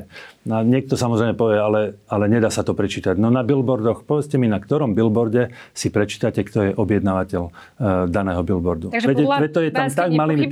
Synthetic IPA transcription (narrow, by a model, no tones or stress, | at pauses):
naɲɪɛk̚t̪ɔsamɔzɾɛjmɛpɔʋɛalɛalɛɲɛd̪aːsat̪ɔpɾɛt͡ʃiːt̪aɟnɔnabilbɔɾd̪ɔxpɔʋɛt͡scɛminakt̪ɔɾɔmbilbɔɾɟɛsipɾɛt͡ʃiːt̪acɛkt̪ɔjɛʔɔbjɛd̪naːʋacɛl | d̪anɛːɦɔbilbɔɾd̪uɛɛʋɛt̪ɔjɛt̪amt̪aɡmaliːm